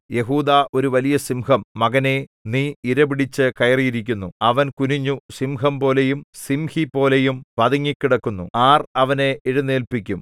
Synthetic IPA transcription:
je̞ɦuːd̪aːʔo̞ɾuʋɐlijɐsimhɐmːɐɡɐne̞niːiɾɐbiɽit͡ɕːɨkɐjɐrijiɾikʲːunːuɐʋɐnkuniɲːusimhɐmpo̞ːle̞jumsimhipːo̞ːle̞jumpɐðɐŋːikʲːiɽɐkːunːṵaːrɐʋɐne̞eɻunːe̞ːlpikʲːum

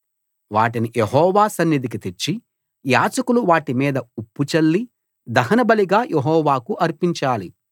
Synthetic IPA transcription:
ʋa̰ːʈinijeɦɔːʋaːsɐnːid̪ik̬it̪eɾt͡ʃːi | jaːt͡ʃɐkuluʋaːʈimiːd̪ɐupːut͡ʃɐlːi | d̪ɐɦɐnɐbɐliɡaːjʔeɦɔːʋaːkuʔɐɾpiɲt͡ʃaːli

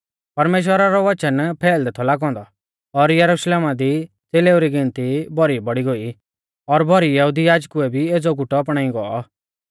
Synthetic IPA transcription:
pɐɾmeːʃ̬wəɾaɾɔʋɐt͡ʃənpʰɛːld̪ɛt̪ʰɔlaːɡɔ̃ːnd̪ɔ | ɔɾjɐɾuʃleːmad̪i | t͡seleuɾiɡɪ̃nt̪ibʱɔɾibɔɽiɡoi | ɔɾbʱɔɾijɐɦud̪ijaːd͡ʒkuɛbʱieːd͡zɔɡuʈɔːp̬ɽ̃ãːĩɡɔɔ

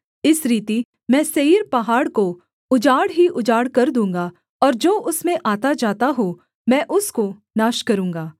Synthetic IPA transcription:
ɪsɾiːt̪i | mɛ̃ːseiɾpɐɦaːɽko | ʊd͡ʒaːɽɦiʔʊd͡ʒaːɽkɐɾd̪ũːŋɡa | ɔːɾd͡ʒoːʔʊsmẽʔaːt̪ad͡ʒaːt̪aɦo | mɛ̃ːʔʊsko | naːʃkɐɾũːŋɡaː

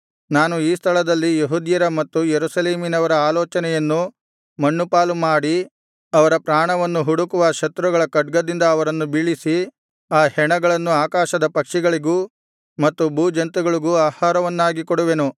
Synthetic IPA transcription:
naːnuiːst̪ʰɐɭɐd̪ɐlːijeɦud̪jɐɾɐmɐt̪ːujeɾusɐleːminɐʋɐɾɐaːlɔːt͡ʃɐnɛjɐnːu | mɐɳːupaːlumaːɽi | ɐʋɐɾɐpɾaːɳɐʋɐnːuɦuɽukuʋaːʃɐt̪ɾuɡɐɭɐkɐɖ̚ɡɐd̪ind̪ɐːʋɐɾɐnːubiɭisi | aːhɛɳɐɡɐɭɐnːuaːkaːʃɐd̪ɐpɐkʂiɡɐɭiɡuː | mɐt̪ːubuːd͡ʒɐnt̪uɡɐɭiɡuaːhaːɾɐʋɐnːaːɡikoɽuʋe̞nu

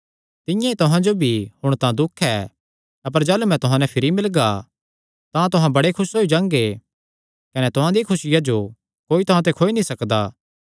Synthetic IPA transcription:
t̪ɪ̃jãit̪ʊɦãd͡ʒobʱihʊɽ̃t̪ãd̪ʊkʰːɛ | ɐp̬əɾd͡ʒaːlumɛ̃t̪ʊɦãnɛpʰɪɾimɪlɡa | t̪ãt̪ʊɦãbɐɽekʰʊsɦoːid͡ʒãːŋɡe | kɐnɛt̪ʊɦãd̪ikʰʊsɪjad͡ʒo | koːit̪ʊɦãt̪̬ekʰoːinĩsɐkd̪aː

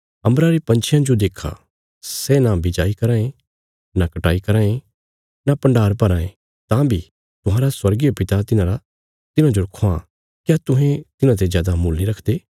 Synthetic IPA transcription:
ɐ̃mbɾaɾipɐ̃nt͡ʃʰɪjãd͡ʒod̪eːkʰa̰ | sɛnãbɪd͡ʒaːikɐɾãːẽ | nakɐʈaːikɐɾãːẽ | napɐ̃ɳɖaːɾpɐɾãːẽ | t̪ãbʱi | t̪ʊɦãːɾaswɐɾɡijapɪt̪at̪ɪnãɾa | t̪ɪnãd͡ʒoɾɐkʰoã | kjat̪ʊɦɛ̃t̪ɪnãt̪̬ezjaːd̪amuːlniɾɐkʰd̪eː

